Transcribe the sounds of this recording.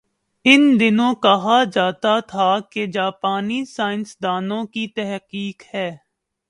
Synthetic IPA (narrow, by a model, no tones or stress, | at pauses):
ɪnd̪ɪnõːkɐɦaːd͡ʒaːt̪at̪ʰaked͡ʒaːpaːnisaːɪnsd̪aːnõːkit̪ɛɦqiːkhɛː